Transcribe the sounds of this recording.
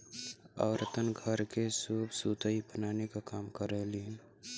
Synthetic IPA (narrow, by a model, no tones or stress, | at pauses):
ə̰ːʋɾət̪ənɡʱəɾkesuːbsuːt̪əibənaːnekakaːmkəɾəɦlie